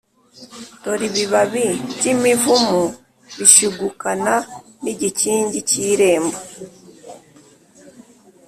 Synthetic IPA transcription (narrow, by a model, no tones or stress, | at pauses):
toɾiβiβaβiɟimivumu | βiʃiɡukana | niɟiciːɲɟiciɾe̞ːmbo